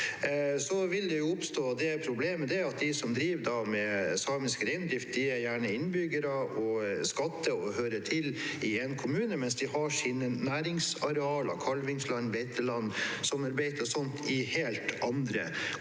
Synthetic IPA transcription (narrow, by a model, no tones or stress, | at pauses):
sɔʋɪld̪ɛjʊʊpst̪oːd̪ɛpʰɾʊbleːməd̪ɛæɑt̪̚d̪ɪsɔmd̪ɾiːʋd̪ɑmɛsɑːmɪskɾeɪnd̪ɾɪft̪̚d̪ɪæɾjæːɳəɪnbʏɡəɾəʔɔskɑt̪ːəɔɦøːɾətʰɪlɪɛnkʰʊmʉːnəmɛnsd̪ɪhɑʂiːnənæːɾɪŋsɑɾɛɑːlɑ̰kʰɑlʋɪŋslɑnːʋɛɪt̪ʰːəlɑnːsɔmɑɾbeɪt̪ʰəɔsɔnt̪ʰɪheːlt̪ʔɑnd̪ɾə̰